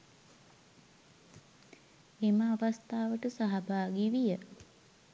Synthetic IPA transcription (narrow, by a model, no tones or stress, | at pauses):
eməaʋast̪aːʋəʈəsaɦabaːɡiʋijə